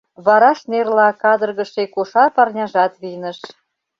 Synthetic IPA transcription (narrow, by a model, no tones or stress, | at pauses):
βɑɾɑʃnerlɑkɑd̪ərɣəʃekoʃɑpɑrnʲɑʒɑt̪βinəʃ